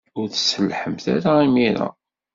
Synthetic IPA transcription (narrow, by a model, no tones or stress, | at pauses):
ʊɾθə̥səlħəmθaɾaimiɾa̰